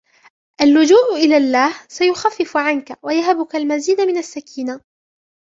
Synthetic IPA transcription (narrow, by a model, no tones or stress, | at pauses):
ʔalːʊd͡ʒuːʔʔɪlaːlːaːhsajʊxafːɪfʕankawajaɦabʊkalmaziːd̪amɪnasːakiːna